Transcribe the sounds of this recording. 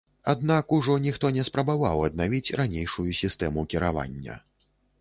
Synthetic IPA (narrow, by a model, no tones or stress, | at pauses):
ad̪nakuʐɔnʲixt̪ɔnʲɛspɾɐbava̰wɐd̪navʲit͡sʲranʲejʂujusʲist̪ɛmukʲiɾava̰nʲːɐ̰